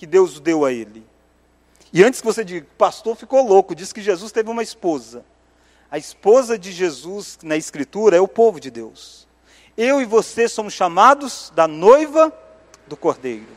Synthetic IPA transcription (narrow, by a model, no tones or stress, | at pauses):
kɪd̪ewzʊd̪ewɐelɪ | ɪɐ̃t͡ʃɪskɪvosed͡ʒiʊpast̪oɾfikolokʊd͡ʒisɪ̥kɪʒezust̪evɪũmɐispozɐ | ɐɪspozɐd͡ʒɪʒezuznɐɪskɾit̪uɾɐɛʊpovʊd͡ʒɪd̪ews | ewɪvosesõmʊsʃamad̪ʊz̥d̪ɐnojvɐ | d̪ʊkoɾd̪ejɾʊ